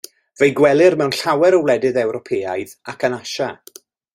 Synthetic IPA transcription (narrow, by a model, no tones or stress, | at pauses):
v̥ejɡwɛlˠɪrmɛwnɬawɛɾəwlˠɛdɨðɛwɾɔpʰeːajðakʰənaʃa